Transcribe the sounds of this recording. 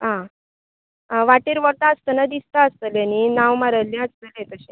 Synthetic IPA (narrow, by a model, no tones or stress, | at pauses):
ɦã | ʋaʈiːɾʋəɾt̪aəst̪ənad̪ist̪aəst̪əljaninaʋmaɾəlːẽəst̪əlẽt̪əɕẽ